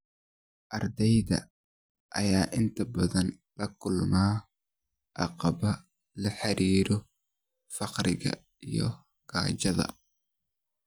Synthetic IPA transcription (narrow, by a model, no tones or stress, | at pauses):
ʔɐrd̪ɛjðɐ̰ | ʔɐjaːʔɪnt̪ʰɐbɐðɐnlɐkʰʊlmaː | ʔɑqɑβɐ | lɐħɑɾiːɾɔ | fɑqɾɪɣɐ̰ | ijɔ̰ | ɡ̥aːt͡ʃɐðɐ̰